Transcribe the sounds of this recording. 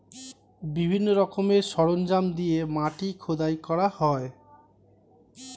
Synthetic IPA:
bibʱinːoɾɔkomeɾʃɔɽond͡ʑamd̪iemaʈikʰod̪ajkɔɽahɔe

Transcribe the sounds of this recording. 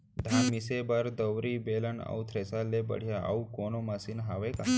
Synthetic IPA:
d̪ʱanmisebəɾd̪əʋɾiːbeləna̰wt̪ʰɾesalːebə̰ɽ̤jaʔa̰ukonomasiːnɦaʋeka

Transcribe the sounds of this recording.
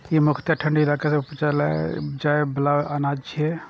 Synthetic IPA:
jemʊkʰt̪aʈʰə̃ɳɖɪlaːkeseupt͡ʃalad͡ʒaːebɐlaʋanaːd͡ʒt͡ʃʰie

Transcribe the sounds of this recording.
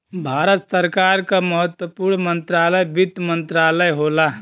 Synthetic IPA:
bʱaːɾət̪səɾkaɾkaməɦət̪wəpuɾnmənt̪ɾaːləjbid̪mənt̪ɾaːləjɦola

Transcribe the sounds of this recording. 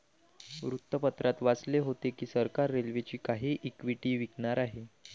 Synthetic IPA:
ʋɾut̪ːəpət̪ɾat̪ʋat͡sleɦot̪ekiːsəɾkaɾːelʋet͡ɕiːkaɦiːʔikʋiʈiːʋiknaɾaɦe

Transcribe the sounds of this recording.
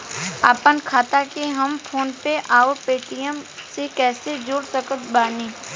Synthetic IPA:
aːpənkʰaːt̪akeɦɐmpʰoːnpeʔaːoɾpeːʈijəmsekɛːsed͡ʒoːɽsəkət̪baːniː

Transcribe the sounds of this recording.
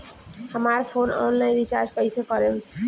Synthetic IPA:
həmaɾpʰonɔ̰nlajnɾit͡ʃaɾd͡ʒkʌjsekɔɾe

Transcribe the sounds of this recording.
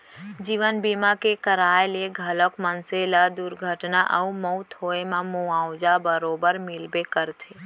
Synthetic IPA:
d͡ʒiːʋənbiːmakekəɾaːelieɡʱələkmənselad̪uɾɡʱəʈnaʔəuməʊt̪ɦoːemãmuaːʊd͡ʒabəɾoːbəɾmɪlbekəɾt̪ʰeː

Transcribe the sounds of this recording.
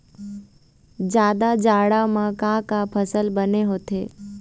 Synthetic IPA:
d͡ʒjaːd̪ad͡ʒaːɽamãkãːkapʰəsəlbəneɦoːt̪ḛː

